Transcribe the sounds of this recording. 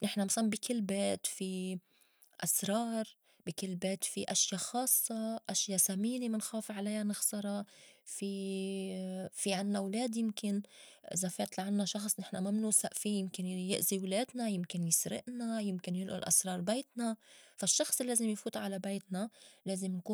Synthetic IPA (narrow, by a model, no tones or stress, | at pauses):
nɪħnamaslmbikʰɪlːbeːt̪fi | ʔasɾˤɑːɾˤ | bikɪlːbeːt̪fiʔaʃjaxɑːsˤːɑʔaʃjasamiːnemɪnxeːfʕalajːanɪxsˤɑɾˤɑfi | fiʕanːawleːd̪jɪmkɪnʔɪ̰zafeːt̪laʕanːaʃɑxsˤnɪħnamamnuːsaʔfijɪmkɪnjɪʔziwleːd̪najɪmkɪnjɪsɾɪ̰ʔnajɪmkɪnjɪlʔʊ̰lʔa̰sɾˤɑːɾˤbeːt̪nafaʃːɑxsˤlːeːzɪmjfuːt̪ʕalabeːt̪naleːzɪmnkuː